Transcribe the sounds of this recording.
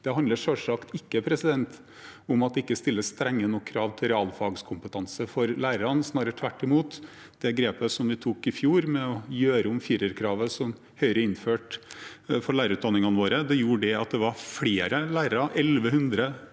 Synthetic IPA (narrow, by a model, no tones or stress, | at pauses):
d̪̥ɛɦɑnd̪əʂœʂɑkt̪ɪkːəpʰɾɛsɪd̪ɛnt̪ | ʊmɑt̪ɪkːəst̪ɪlːəst̪ɾɛŋːənɔkʰːɾɑːʋt̪ʰɪlɾɛɑːlfɑɡskʰʊmpət̪ʰɑnsəfɔɾlæːɾəɾɑnsnɑːɾəʈʰʋæʈːɪmuːt̪ | d̪̥ɛɡɾeːpəsɔmʋɪt̪ʰuːkɪfjuːɾmɛɔjøːɾəʊmfiːɾəɾkʰɾɑːʋəsɔm | hœʏɾəɪnføːʈ | fɔɭæɪɾʉːt̪̚d̪ɑnɪŋɑnəʋoːɾəd̪ɛjuːɖɛɑt̪̚d̪ɛʋɑɾfɽeːɾəlæːɾəɾɑʔɛlʋəhʉnd̪ɾə